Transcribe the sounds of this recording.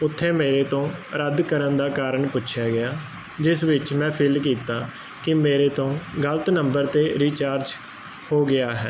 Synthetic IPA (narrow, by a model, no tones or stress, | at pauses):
ʊt̪ʰːẽːmeːɾeːt̪õːɾəd̪kəɾənd̪aːkaːɾəɳpʊtːʃʰjaːɡɪjaː | d͡ʒɪsʋɪt͡ʃmɛ̃ːpʰɪlk̬iːt̪aː | kɪmeːɾeːt̪õːɡələt̪nəmbəɾt̪eːɾiːt͡ʃaːɾd͡ʒ | hoːɡɪaːɦɛː